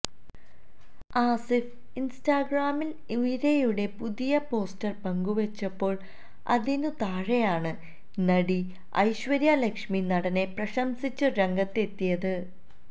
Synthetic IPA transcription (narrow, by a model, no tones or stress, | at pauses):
aːsif | instaːɡraːmil | uʋiɾejuɽe̞puðijɐpo̞ːstɐrpɐŋɡuʋɐt͡ɕːɐpːo̞ːɭ | ɐ̰ðinɨt̪aːɻejaːɳɨ | nɐɽi | ɐ̰jɕʋɐɾjaːlekʂminɐɽɐne̞prɐɕɐmsit͡ɕːɨɾeŋɡɐt̪ːe̞t̪ːijɐðɨ